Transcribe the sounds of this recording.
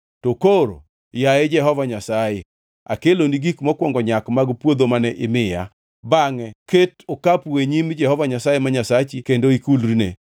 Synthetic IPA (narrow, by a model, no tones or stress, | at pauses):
tokoɾo̰ | jaed͡ʒɛɦɔvaɲasaje | a̰keloniɡikmɔkwɔŋɡɔɲakmaɡpwod̪omanɛʔɪmɪja̰ | baŋɛketokapweɲimd͡ʒɛhɔvaɲasajemaɲasat͡ʃɪkendoikulrine